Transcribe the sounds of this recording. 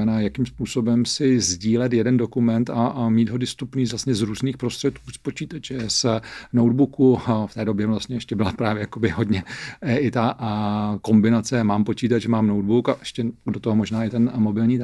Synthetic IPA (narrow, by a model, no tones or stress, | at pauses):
ɛnaːjakimspuːso̞bɛmsɪzɟiːlɛt̪jɛdɛndo̞kumɛnt̪amiːd̪ɦodɪst̪upniːzvlast̪ɲɛzɾuːzniːxpɾo̞st̪r̥ɛt̪̚kuːspot͡ʃiːt̪at͡ʃɛsnowdbukuft̪ɛːdo̞bjɛvlast̪ɲɛɛʃcɛbɪlapɾaːvjɛjakobɪɦo̞dɲɛɪt̪a | ko̞mbɪnat͡sɛmaːmpo̞t͡ʃiːt̪at͡ʃɛmaːmnowdbukaʔɛʃcɛdot̪oɦomoʒnaːɪt̪ɛnmo̞bɪlɲiːt̪